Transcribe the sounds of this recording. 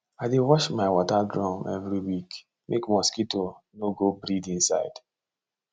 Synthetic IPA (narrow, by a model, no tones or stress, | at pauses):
aɪdewɔʃmaɪwɔtadɾɔmʔɛ̰vɾiwik | mʔekmɔskitonoɡobɾidĩn̩sa̰ɪd̥